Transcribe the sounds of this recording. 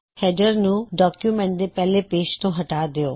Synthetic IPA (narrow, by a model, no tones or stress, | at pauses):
hɛːd͡ʒəɾnũɖɔːkjumɛ̃ɳʈ̚d̪epɛɦlepeːʃt̪õɦɐʈaːd̪ɪjoː